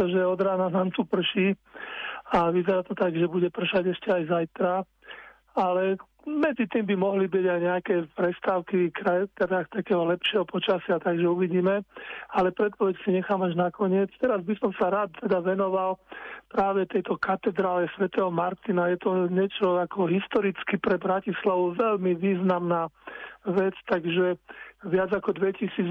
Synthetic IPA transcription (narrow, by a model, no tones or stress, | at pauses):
t̪ɔʒɛɔd̪ɾaːnanaːmt̪upr̩ʃi | aʋizɛɾaːt̪ɔt̪aɡʒɛbuɟɛpr̩ʃaɟɛʃcɛajzajt̪ɾa | alɛ | mɛd͡zit̪iːmbimɔɦlibiɟajɲɛakɛpɾɛst̪aʊkikɾat̪ɛd̪akt̪akɛːɦɔlɛpʃɪɛɦɔpɔt͡ʃasɪat̪aɡʒɛuʋiɟiːmɛalɛpɾɛt̪̚pɔʋɛcsiɲɛxaːmaʒnakɔɲɪɛt͡st̪ɛɾazbisɔmsaɾaːt̪t̪ɛd̪aʋɛnɔʋalpɾaːʋɛt̪ɛjt̪ɔkat̪ɛd̪ɾaːlɛsʋɛt̪ɛɦɔmaɾt̪inajɛt̪ɔɲɛt͡ʃɔakɔɦist̪ɔɾit͡skipɾɛbɾacislaʋuʋɛʎmiʋiːznamnaːʋɛt͡st̪aɡʒɛʋɪad͡zakɔd̪ʋɛcisiːd͡z